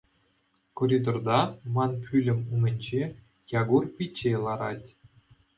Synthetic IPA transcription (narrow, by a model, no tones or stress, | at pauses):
koɾʲid̪ord̪ɑmɑnpʲylʲɘ̆mʲumʲɘ̆nʲd͡ʑe | jɑɡurpʲit͡ɕːelˠɑɾɑtʲ